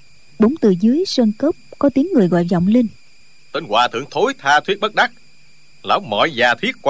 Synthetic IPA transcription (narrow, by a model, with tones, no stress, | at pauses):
ɓo˨˦ŋ͡mt̪ɨ˨˩zɨ˨˦əjswə˧nkə˦˥p̚kɔ˨˦t̪i˨˦əŋːɨ˨˩əjɣɔ̰˧˨jzɔ̰˧˨wŋ͡mli˧n | t̪ə˧nɣwaː˨˩t̪ʰɨ̰˧˨əŋt̪ʰo˨˦jt̪ʰaː˧t̪ʰwi˦˥ət̚ɓə˦˥t̚ɗa˦˥k̚ | la̰ː˨˦wmɔ̰˧˨jzaː˨˩t̪ʰwi˦˥ət̚k